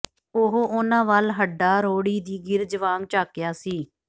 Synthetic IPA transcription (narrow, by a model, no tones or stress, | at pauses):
oɦoːʔoːnãːʋaːlɦəɖaːɾoːɽiːd̪iːɡɪɾd͡ʒəʋaːŋɡt͡ʃaːkjaːsiː